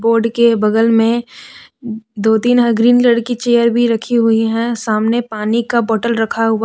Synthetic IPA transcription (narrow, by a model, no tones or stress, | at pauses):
boːɾɖkebɐɡəlmẽ | d̪oːt̪iːnɦəɡɾiːnlɐɽkit͡ʃeːjəɾbʱiɾɐkʰiɦʊiɦɛ̃saːmnepaːnikabɔːʈəlɾɐkʰaɦʊa